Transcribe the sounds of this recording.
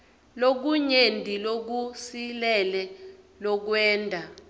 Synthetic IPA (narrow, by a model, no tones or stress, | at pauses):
lok̬uɲendʱilok̬usilɛlɛ | lɔk̬wɛːndʱa